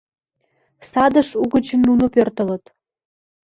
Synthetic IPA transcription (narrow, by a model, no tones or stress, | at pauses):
sɑd̪ə̆ʃuɣə̆t͡ɕə̆nːunŏpørt̪ɤ̆lɤ̆t̪